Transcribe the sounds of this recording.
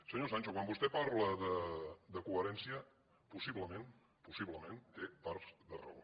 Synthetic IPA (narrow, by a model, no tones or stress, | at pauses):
səɲosanʲt͡ʃokwambust̪ɛpaɾləðəd̪əkuəɾɛnsiə | pusiβləmen | pusiβləment̪epaɾzðərə̰o̰